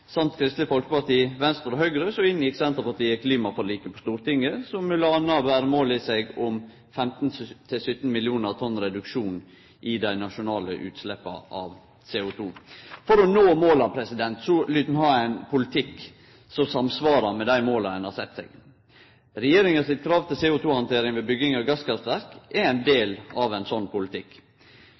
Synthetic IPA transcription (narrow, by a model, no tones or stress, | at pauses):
sɑmt̪kʰɾɪst̪ləfɔlkəpɑʈt̪iːʋɛnst̪əɾɔhœʏɡɾəsɔɪnːjɪksɛnt̪əɾpɑʈ̪ʰiːəkʰliːmɑfɔɾɔliːkəpʰɔst̪uːɾt̪ɪŋːəsɔmʋɪlɑnɑʋæːɾəmoːlɪsɛɡʊm | fɛmt̪n̩t̪ʰɪlsʏt̪n̩mɪlɪuːnəɾt̪ʰɔnːɾɛd̪ʉkʂuːn | ʔɪd̪æɪnɑʂʊnɑːlə̰ʔʉ̰ːt̪slɛpːɑ̰ʔɑʋ | seːʊt̪ʰuːfɔɾɔnoːmoːlɑpʰɾɛsɪd̪ɛnt̪sɔlyt̪n̩hɑːæɪnpʰʊlɪt̪ʰɪk | sɔmsɑmsʋɑːɾɑmɛd̪æɪmoːlɑɛnhɑɾsɛt̪ːsɛ̰ːɡ | ɾɛjeːɾɪŋɑsɪt̪kʰɾɑːʋt̪ʰɪlseːuːt̪ʰuːhɑnt̪ʰeːɾɪŋʋeːbʏɡɪŋɑɡɑskɑɾsæɾkɛɛɪnd̪eːlɑʋænsɔnːpʊlɪt̪ʰɪk